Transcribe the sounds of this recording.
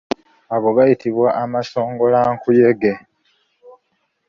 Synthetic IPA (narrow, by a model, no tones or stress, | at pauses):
aɡo̞ɡajitiβwaʔamaso̞ːŋɡo̞laŋkuje̞ɡe